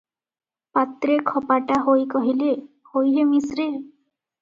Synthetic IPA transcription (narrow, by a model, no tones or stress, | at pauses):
pat̪ɾekʰɔpaʈaɦojkɔɦile | hojɦemisɾe